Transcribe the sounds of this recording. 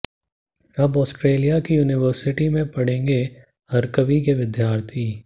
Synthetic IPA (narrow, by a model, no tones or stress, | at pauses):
ɐbɔːsʈɾeːlijakijuːnɪʋəɾsɪʈimẽpɐɽ̤ẽːŋɡe | hɐɾkəʋikeʋɪd̪jaːɾt̪ʰiː